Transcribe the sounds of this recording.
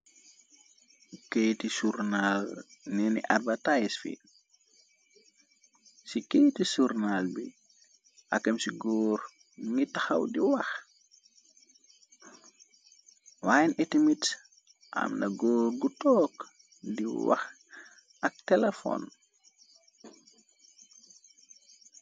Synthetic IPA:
kejtisuɾnalnɛnḭʔabatajisfḭ | sikejtisuɾnalbi | ʔa̰kɐmsiɡɔːɾ | ŋitaxɐ̰wdiwɐx | waːjinʔɛtimit | ʔa̰mnɐɡɔːrɡutɔːk | diwa̰x | ɐk̚tɛlefɔ̰n

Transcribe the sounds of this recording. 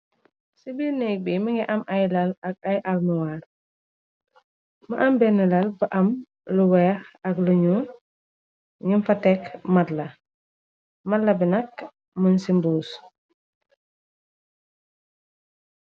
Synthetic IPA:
sibinɛk̚bimiŋɡɛʔɐmɐjlɐlɐk̚ɐjʔɐlmuwaːɾ | mɐʔɐmbɛnilɐlbɐʔɐm | luwɛːxɐkluɲuː | ɲumfɐtɛkmɐtlɐ | mɐtlɐbinɐk̚ | mənsimbuːs

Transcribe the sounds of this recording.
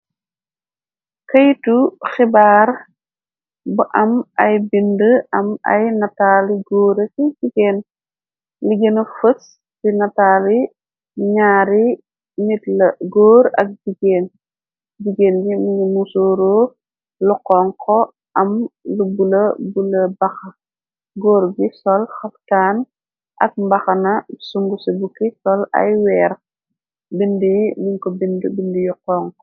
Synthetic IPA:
kɐjtuxibaːɾ | buʔɐmɐjbindəɐmɐ̰jnɐtaːliɡoːɾɐkid͡ʒiɡeːn | liɡenɐfəs | tinɐtaːli | ɲaːɾi | nitlɐɡoːɾɐ̰k̚d͡ʒiɡeːn | d͡ʒiɡeːnɡimiɲɡimusoːɾoː | lɔqːɔːŋkʰɔ | ʔɐmlubulɐbulɐbɐxɐ | ɡoːɾɡisɔlxɐftaːn | ʔɐk̚mbɐxɐnɐsuŋɡusibukisɔlɐ̰jwɛːɾ | bindijniɲkɔbindibindijuqːɔːŋkɔ

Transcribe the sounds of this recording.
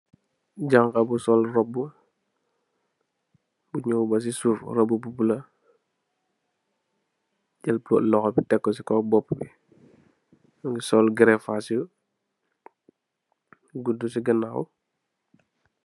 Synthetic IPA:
ɟaŋkabusɔlrɔbːu | buɲɔwbɐs̬isuɾrɔbːububulɐ | ɟɛlplɔ̰ʔlɔxɔbitɛkːɔs̬ikɔbɔpːbḭ | ŋɡisɔlɡɾɛfasiu | ɡudus̬iɡənaw

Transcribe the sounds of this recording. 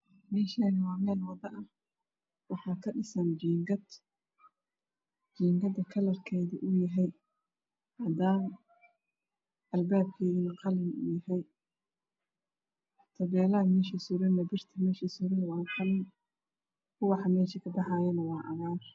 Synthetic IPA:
mɛːʃaːnɪwɑːmɛːlwɑd̪ɐʔɐh | wɑħɑːkʰɐɖɪsɐnd͡ʒiːŋɡɐd̪ | d͡ʒiːŋɡɐd̪ɐkʰɐlɐrkʰɛːðʊʔʊjɐɦɛj | hɐd̪aːn | ʔɐlbaːb̚kʰɛːɣɪnɐqɑlɪnʊ̰jɐɦɛj | t̪ʰɐβɛːlɐɐmɛːʃisʊɾɪnːɐbɪrt̪ʰɐmɛːʃisʊɾɪnwɑːnqɑlɪn | kʰʊwɑħɑmɛːʃikʰɐbɑħɑːjɐnɐwɑːʔɐβaːr

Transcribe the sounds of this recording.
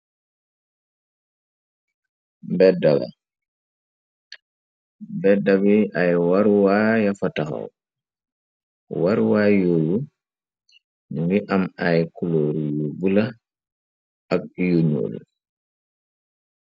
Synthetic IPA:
mbɛdala̰ | bɛdabiʔajwaɾwajafataxa̰w | waɾwajolu | nwiʔamajkuloːɾjubula | ʔak̚juɲo̰l

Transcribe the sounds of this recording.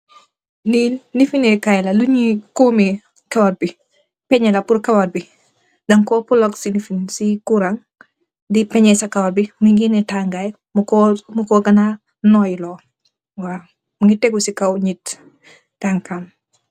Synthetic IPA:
liːlːifinɛkajlɐluɲikɔːmi | kawat̚bi | pɛɲɛlɐpuɾkawat̚bi | dɐŋkɔːpulɔksilifinsikuɾaŋ | dipɛɲɛsakawabimiɡinɛtaŋɡaj | mkːmukɔɡɐna | nɔːjlɔː | wa | muŋɡitɛɡusikawɲit | taŋkan

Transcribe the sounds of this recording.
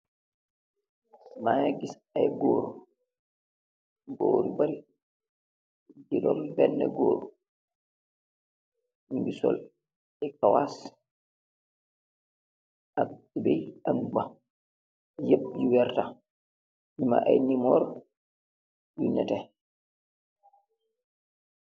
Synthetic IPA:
majaɡis | ajɡoːɾu | ɡoːɾibaɾi | d͡ʒiɗɔmbɛnːɛ̰ɡoːɾu | uŋɡisɔ̰l | ɛkawas | ʔa | ibɛjanba | jeɓjiwɛɾta | ɲima̰ʔajnimɔɾ | ɗuɲatɛ

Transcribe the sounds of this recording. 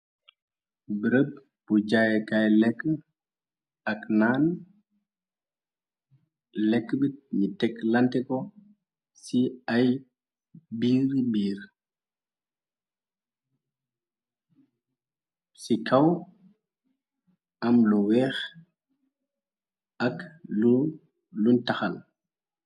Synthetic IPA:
bəɾəb̚ | b̥ud͡ʒajkajlɛkːə | ɐknaːn | lɛkːəbit̚ɲitɛklɐntɛkɔ | siaj | biːɾbiːɾ | sikʰaw | amluwɛːx | aklu | luntaxal

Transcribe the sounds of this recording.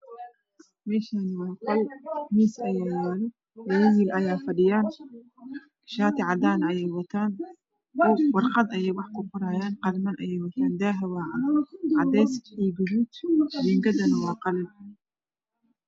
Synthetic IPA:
mɛːʃaːnɪwɑːqɔlmiːsɐjaːjaːlɔ | wɔwɐwiːlɐjaːfɐɖɪjaːn | ʃaːt̪ʰɪʕɑd̪aːnɐɐjɛjwɐt̪ʰaːn | ɔwɑrqɑd̪ɐjɛjwɑħkʰʊqʊɾaːjaːnqɑlmɐnʔɐjɛjwɐt̪ʰaːnd̪aːɦɐwaːʕanʕɑd̪ɛjsiːɡʊðuːt̪iŋɡɐd̪ɐnɐwɑːqɑlɪn

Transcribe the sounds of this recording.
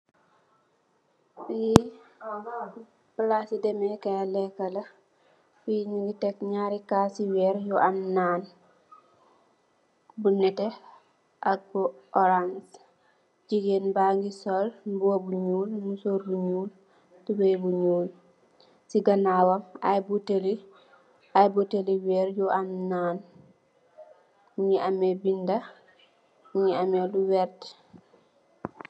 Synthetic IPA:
bi | blasidemekealɛkɐlɐ | fiɲiɡitekɲaɾikaːsiwɛɾjuʔamnaːn | bunɛte | ʔak̚bu | ʔɔɾans | d͡ʒiɡenbaŋɡisɔlbuwabuɲuːlmusoɾbuɲuːl | tubejbuɲuːl | siɡanawamajbuteli | ajbuteliwɛɾjuʔamnaːn | muɲiamebinda | uɲiameluwɛɾt

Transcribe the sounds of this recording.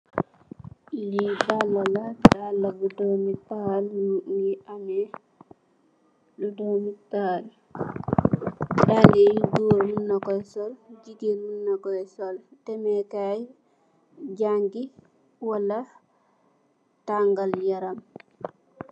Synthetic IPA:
ʔilidalːaladalːabudɔmipaalunianɛ | ludɔmital | ɗaliɡuɾmunːakɔjsɔld͡ʒiɡimunːakɔjsɔltɛmɛkaj | d͡ʒaŋɡi | walɐ | taŋɡaljɐɾam

